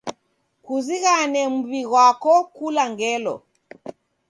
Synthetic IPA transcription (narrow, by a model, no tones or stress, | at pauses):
kuziɣanɛm̩βiɣwakɔkulaŋɡɛlɔ̰